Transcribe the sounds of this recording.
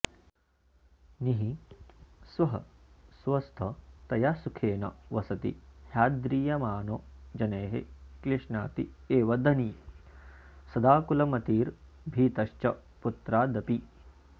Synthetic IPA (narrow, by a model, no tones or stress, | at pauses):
niɦi | sʋɐɦɐsʋɐst̪ʰɐt̪ɐjasukʰeːnɐ̰ʋɐsɐt̪ḭhjaːd̪ɾiːjɐmaːnod͡ʒɐneːɦḛkliʂnaːt̪ieːʋɐd̪ɐni | sɐd̪aːkulɐmɐt̪iːɾ | bʱiːt̪ɐʃt͡ʃɐput̪ɾaːd̪ɐpi